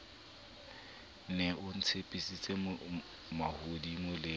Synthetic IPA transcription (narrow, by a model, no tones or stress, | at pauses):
nɛʊn̩t͡sʰepʼisit͡sʼe | mahodimʊlɪ